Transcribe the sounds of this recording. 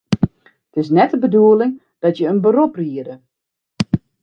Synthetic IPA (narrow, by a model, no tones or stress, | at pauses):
tɪs̬nɛtəbəduəlɪŋ | d̥ɔtjəənbəɾopriədə